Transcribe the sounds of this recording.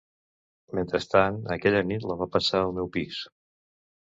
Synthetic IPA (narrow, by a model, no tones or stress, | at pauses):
ment̪ɾəst̪anəkɛʎənit̪ləβapəsaəlˠmɛwpis